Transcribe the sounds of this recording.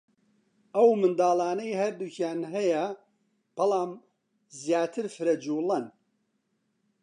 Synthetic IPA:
ɐwmɨnd̪aːlˠaːnɐjhɐɾd̪ucʰjaːnɦɐjɐ | b̥ɐlaːm | zjaːt̪ʰɨɾfɨɾɐd͡ʒuːlɐn

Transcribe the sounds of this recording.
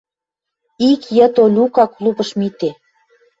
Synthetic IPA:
ikjə̆t̪olʲukɑklˠubə̆ʃmit̪e

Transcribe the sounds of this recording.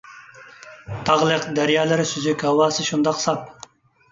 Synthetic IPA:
t̪ʰɑʁlˠəqd̪æɾjɑːlˠɪɾɪsyzykʲhɑwɑːsɨʃund̪ɑqsɑp̚

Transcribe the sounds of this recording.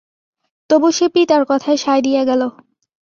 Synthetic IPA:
t̪obuʃepit̪aɾkɔt̪ʰaeʃajd̪ijeɡɛlo

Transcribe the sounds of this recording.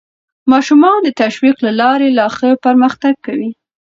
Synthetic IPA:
mɑʃumɑnd̪ət̪aʃwiqlalɑɾelɑxəpəɾməxt̪aɡ̚kawi

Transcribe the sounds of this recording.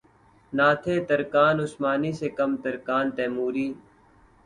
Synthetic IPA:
naːt̪ʰeːt̪əɾkaːnʊsmaːniːsekɐmt̪əɾkaːnt̪ɛːmuːɾiː

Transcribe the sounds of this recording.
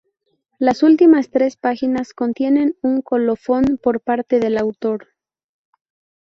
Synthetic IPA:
lasult̪imast̪ɾe̞spaxinasko̞nt̪je̞ne̞nuŋko̞lo̞fo̞npo̞ɾpaɾt̪e̞ðe̞lawt̪o̞ɾ

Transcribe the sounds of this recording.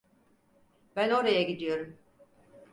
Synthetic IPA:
bæno̞ɾajaɟid̪ijo̞ɾum

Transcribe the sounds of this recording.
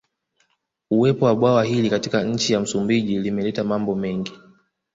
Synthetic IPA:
uwɛpɔwaɓwawahilikatikaɲ̩t͡ʃijam̩sumbiʄilimɛlɛtamambɔmɛŋɡi

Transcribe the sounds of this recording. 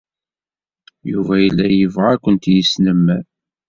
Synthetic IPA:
juvæjəlːæjəvʁakʷːənt̪jəsnəmːæ

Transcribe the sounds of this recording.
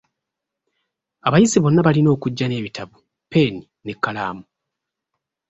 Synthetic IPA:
aβajiziβo̞nːaβalino̞ːkuɟːane̞ːβitaβu | pe̞ːni | ne̞kːala̰ːmu

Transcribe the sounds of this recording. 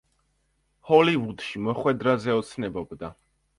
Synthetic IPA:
hɔlivud̪ʃimɔχwɛd̪ɾazɛɔt̪sʰnɛbɔbd̪a

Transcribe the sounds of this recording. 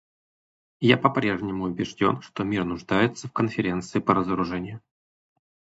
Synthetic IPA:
japɐpɾʲe̞ʐnʲɪmʊʊbʲɪʐdʲo̞̰nʂt̪omʲirnʊʐd̪ajɪt̪səfkənfʲɪɾʲe̞nt̪sɨɪpəɾəzəɾʊʐɛnʲɪjʊ

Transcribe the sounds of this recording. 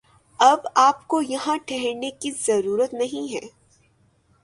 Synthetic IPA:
ɐbaːpkojɐɦãʈʰɛɦɛɾnekizɐɾuːɾət̪nɐɦĩɦɛ̰ː

